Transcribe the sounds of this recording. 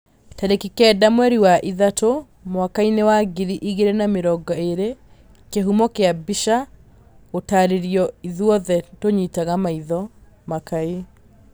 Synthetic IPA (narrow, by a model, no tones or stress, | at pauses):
taɾekikɛdamwɛɾiwaʔiðato | mwakainewaɡiɾiʔiɣeɾenameɾɔɡɔeɾe | keɦumɔkeabiʃa | otaɾeɾiɔiðwɔðɛtoɲitaɣamaiðɔ | makae